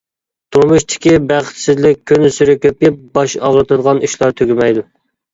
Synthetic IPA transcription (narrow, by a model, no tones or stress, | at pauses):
t̪ʰuɾmuʃt̪ʰɪ̥kʲibæχɪ̥t̪sɪzlɪk̚ʲʰːynsyɾɪkʲøp̚jɪp̚bɑʃɑʁɾɨt̪ɨd̪əʁɑniʃlˠɑɾt̪ʰøɡʲɪmɛjd̪u